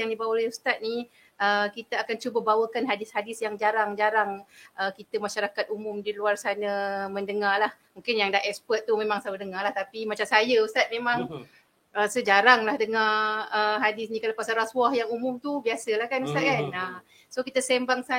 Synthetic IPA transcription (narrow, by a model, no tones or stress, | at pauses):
jaŋdibawaliust̪at̪̚ni | əkit̪aakant͡ʃubəbawəkanɦadɪshadɪsjaŋd͡ʒaɾaŋd͡ʒaɾaŋʔəkit̪əmaʃaɾakat̪̚umʊmdiluarsanəməndəŋalah | mũŋkɪnjaŋdahɛkspət̪̚ːumẽmaŋsawədəŋalaht̪apimat͡ʃamsajəust̪at̪̚mẽmãŋ | ʔəsəd͡ʒaɾaŋlahdəŋaəɦadɪsnĩkalapasaɾaswahjaŋumʊmt̪ubiasəlahkanust̪at̪̚kana | sokit̪əsɛmbaŋsa